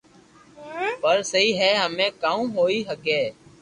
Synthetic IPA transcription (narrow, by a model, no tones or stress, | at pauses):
pəɾsəɦiːɦɛːɦəmẽːkaːũːɦoːiːɦəkeː